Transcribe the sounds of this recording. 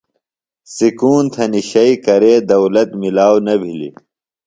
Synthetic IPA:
sikuːnt̪ʰɐniɕɐikɐɾeːd̪ɐwlɐt̪milaːwnɐbʱilḭ

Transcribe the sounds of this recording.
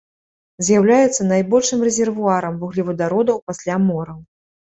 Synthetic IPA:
zʲjawlʲajɛt̪sːɐnajbɔlʲʂɨmrɛzʲɛrvuaɾɐmvuɣlʲivɐd̪aɾɔd̪ɐwpasʲlʲamɔɾɐw

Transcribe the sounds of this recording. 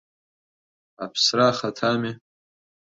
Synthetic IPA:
a̰pʰsraːχatʰame

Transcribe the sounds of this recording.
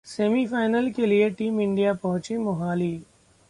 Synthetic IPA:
seːmifaːɪnəlkelieʈiːmɪ̃ɳɖijapɐɦʊ̃t͡ʃemʊɦaːliː

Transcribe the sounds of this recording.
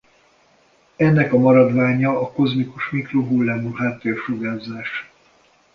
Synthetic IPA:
ɛnːɛkɒmɒɾɒd̪ʋaːɲɒːko̞zmikuʃmikroɦulːaːmuɦaːt̪ːeːrʃoɡaːzaːʃ

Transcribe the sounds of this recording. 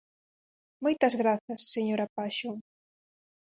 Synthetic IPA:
mojt̪ɐzɣɾaθɐsːeɲoɾapaʃo

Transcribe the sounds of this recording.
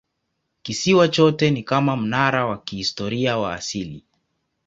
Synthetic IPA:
kisiwat͡ʃɔtɛnikamam̩naɾawakihistɔɾiawa̰ːsili

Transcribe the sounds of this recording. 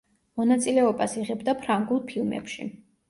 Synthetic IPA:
mɔnat̪sʼilɛɔbasiʁɛbd̪apʰɾaŋɡulˠpʰilˠmɛ̰pʃḭ

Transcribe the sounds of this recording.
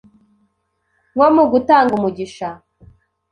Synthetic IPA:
ŋwomuɡutaːŋɡumuɟiʃa

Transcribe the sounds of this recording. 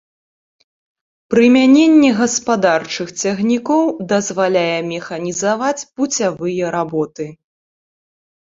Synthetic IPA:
pɾɨmʲanʲenʲːɛɣɐspad̪art͡ʂɨxt͡sʲaɣnʲikɔwd̪ɐzvalʲajɛmʲɛxɐnʲizavat͡sʲbut͡sʲavɨjɛɾabɔt̪ɨ

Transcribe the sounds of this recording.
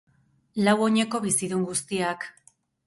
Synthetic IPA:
lawo̞ɲe̞ko̞βisiðuŋɡust̪iak

